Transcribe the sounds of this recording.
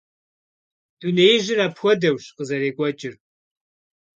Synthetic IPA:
d̥unejɪʒɪraːpxʷɔdɐwɕqəzɐɾeːkʷʼɔt͡ʃʼɪr

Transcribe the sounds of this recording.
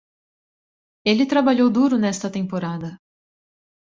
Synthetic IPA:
elɪt̪ɾabaʎowd̪uɾʊnɛst̪ɐt̪ẽpoɾad̪ɐ

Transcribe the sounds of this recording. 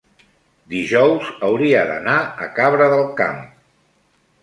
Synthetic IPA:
d̪iʒɔwzəwɾiəðə̰naəkaβɾəðəlˠka̰m

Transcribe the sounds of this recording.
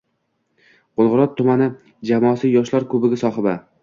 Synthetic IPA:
qolˠʁɨɾɒt̪ʰːʊmanɪ | d͡ʒamɒːsɪjɒʃlaɾkʰɵbɪɡʲasɒχɪba

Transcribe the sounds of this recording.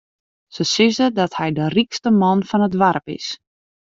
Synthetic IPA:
səsɪzədɔthɛjdərikstəmɔnfɔnədʋarpɪ̰s

